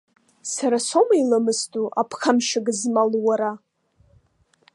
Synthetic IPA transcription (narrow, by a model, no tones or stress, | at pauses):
saɾasomailamɨstʼuʔapʰχamʃaɡɨzmalwaɾa